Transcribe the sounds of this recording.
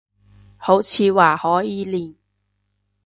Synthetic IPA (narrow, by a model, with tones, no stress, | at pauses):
ho˨˥wt͡sʰiː˨˧waː˨˩hɔː˨˥jiː˨˧liː˨˩n